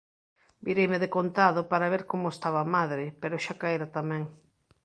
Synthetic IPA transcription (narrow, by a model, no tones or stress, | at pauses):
biɾejmɪðekont̪aðʊpaɾaβeɾkomʊest̪aβaːmaðɾɪpeɾʊʃakaeɾat̪amɛ̃ŋ